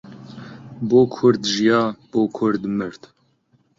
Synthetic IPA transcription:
boːkʰʊɾd̪ʒijɑːb̥oːkʰʊɾd̪mɨɾt̪

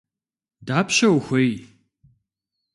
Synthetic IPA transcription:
daːpʰʃɐwxʷej

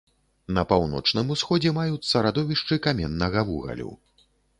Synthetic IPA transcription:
nɐpawnɔ̰t͡ʂnɨmusxɔd͡zʲɛmajut̪sːɐɾad̪ɔvʲiʂt͡ʂɨkamʲɛnːɐɣɐvṵɣɐ̰lʲṵ

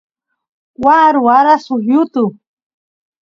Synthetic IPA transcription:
waɾuaɾasujʊt̪ʊ

